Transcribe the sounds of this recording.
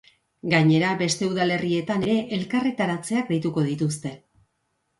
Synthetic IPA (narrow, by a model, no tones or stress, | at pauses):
ɡaɲe̞ɾabe̞st̪e̞uðale̞rie̞t̪ane̞ɾe̞ʔelkaret̪aɾat͡se̞ak̚d̪ajt̪uko̞ð̞it̪us̬t̪e̞